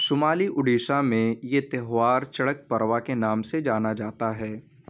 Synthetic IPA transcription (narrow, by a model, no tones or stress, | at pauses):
sʊmaːliʔʊɖiːʃamẽjet̪eɦʋaːɾt͡ʃɐɽək̚pɐɾʋakenaːmsed͡ʒaːnad͡ʒaːt̪aɦɛː